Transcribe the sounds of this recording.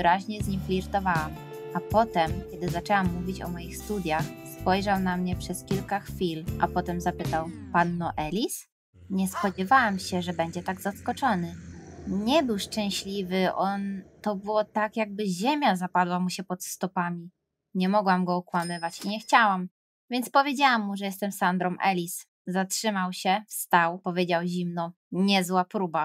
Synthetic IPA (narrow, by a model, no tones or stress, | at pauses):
vɾaʑɲɛzɲimflʲiɾt̪ɔvawam | apɔt̪ɛmkʲɛd̪ɘzat͡ʂɛwamːuvʲit͡ɕɔ̰mɔjixst̪ud̪ʲjaxspɔjʐawnamɲɛpʂɛskʲilkaxfʲilʔa̰pɔt̪ɛmzapɘt̪awpanːɔʔɛlʲis | ɲɛspɔd͡ʑɛvawamɕɛʐɛbɛɲd͡ʑɛt̪aɡzaskɔt͡ʂɔnɘɲɛbɘwʂt͡ʂɛ̃w̃ɕlʲivɘʔɔnt̪ɔbɘwɔt̪akjaɡ̚bɘʑemʲjazapad̪wamuɕɛpɔt̪st̪ɔpamʲi | ɲɛmɔɡwamɡɔɔkwamɘvat͡ɕiɲɛxt͡ɕawam | vʲjɛnt̪spɔvʲjed͡ʑawamːuʐɛjɛst̪ɛmsand̪ɾɔmʔɛ̰lʲis | zatʂɘmawɕɛfst̪awpɔvʲjed͡ʑawʑimnɔ | ɲɛzwapɾuba